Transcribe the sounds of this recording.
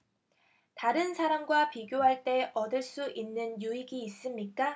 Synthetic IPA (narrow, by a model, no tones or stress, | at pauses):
taɾɯnsʰaɾamɡwapiɡjoɦaɭt͈e̞ʔʌdɯɭs͈uʔinːɯnjuiɡiːs͈ɯmɲik͈a